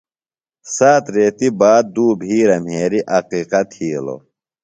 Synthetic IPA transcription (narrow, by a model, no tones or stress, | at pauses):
saːt̪ɾeːt̪ibaːd̪̚d̪uːbʱiːɾɐmɦeːɾiʔɐqiːqɐt̪ʰiːlo̰